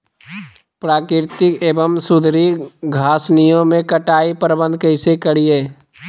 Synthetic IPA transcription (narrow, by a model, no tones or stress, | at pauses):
pɾaːkɾɪɾt̪ɪkeːbəmsʊd̪ʱɾiɡʱaːsnijõmẽkəʈaːipəɾəbə̃nd̪̚ʱkəɪsekəɽieː